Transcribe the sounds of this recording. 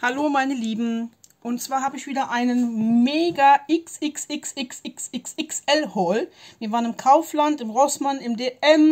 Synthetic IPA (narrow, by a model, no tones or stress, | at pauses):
haloːmaɪnəliːbm̩ʔʊntt͡sv̥aːɐhaːbəɪçv̥iːdɐʔaɪnənmeːɡaʔɪksɪksɪksɪksɪksɪksɪksʔɛlhɔlviːɐvaːʁənɪmkʰaʊflantɪmʁɔsmanɪmdeːʔɛm